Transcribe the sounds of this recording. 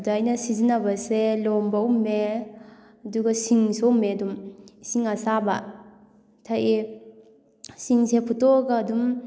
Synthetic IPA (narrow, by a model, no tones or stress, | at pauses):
daːjnɐsizinabɐselɔmbaumːe | ɐduɡɐsiŋsomːeɐdumsiŋasaba | tʰaje | siŋsepʰutɔɡaːdum